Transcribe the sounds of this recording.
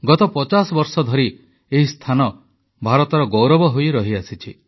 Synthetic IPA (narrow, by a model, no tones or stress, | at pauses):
ɡɔt̪ɔpɔt͡ʃasɔbɔɾsɔd̪ʱɔɾi | eɦist̪ʰanɔ | bʱaɾɔt̪ɔɾɔɡowɾɔbɔɦojɾɔɦiasit͡ʃʰi